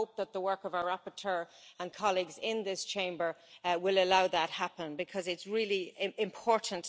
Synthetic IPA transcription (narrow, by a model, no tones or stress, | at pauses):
oʊp̚ðət̪̚ðəwɜ˞kəvaʊəɹapə˞tʰɜːɹə̃nkʰɑliɡzɪ̃nðɪst͡ʃʰẽɪ̃mbə˞wɪləlaʊðət̚hapə̃nbɪkʰʌzɪtsɹɪːliɪɪ̃mpʰɔɹʔn̩t